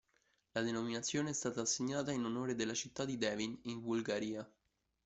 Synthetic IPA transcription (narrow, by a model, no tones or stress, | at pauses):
lad̪enominat̪sːjoːneɛst̪aːt̪aːsːeɲːaːt̪ainonoːɾed̪elːat͡ʃit̪ːad̪ːid̪ɛːviniɱbulɡaɾiːa